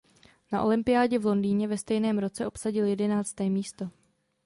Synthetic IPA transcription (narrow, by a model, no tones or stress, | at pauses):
naʔo̞̰lɪmpɪjaːɟɛvlo̞ndiːɲɛvɛst̪ɛjnɛːmɾo̞t͡sɛʔo̞psaɟɪljɛdɛnaːt͡st̪ɛːmiːst̪o̞